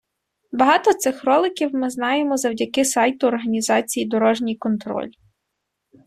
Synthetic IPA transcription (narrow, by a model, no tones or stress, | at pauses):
bɐɦɑt̪ɔt̪sɪxrɔlˠɪkʲiwmɪznɑjemɔzɐwdʲɐkɪsɑjt̪ʊːrɦɐnʲizɑt͡sʲijid̪ɔɾɔʒnʲijkɔnt̪ɾɔ̰lʲi